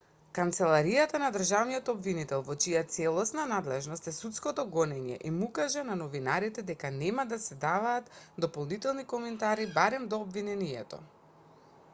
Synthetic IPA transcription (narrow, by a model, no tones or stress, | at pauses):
kant̪sɛlˠaɾijat̪anad̪r̩ʒavnijɔt̪ɔbvinit̪ɛlˠvɔt͡ʃijat̪sɛlˠɔsnanad̪lɛʒnɔst̪ɛsut̪skɔt̪ɔɡɔnɛɲɛ̰ʔimukaʒɛnanɔvinaɾit̪ɛd̪ɛkanɛmad̪asɛd̪avaːt̪d̪ɔpɔlˠnit̪ɛlˠnikɔmɛnt̪aɾibaɾɛmd̪ɔːbvinɛnijɛt̪ɔ̰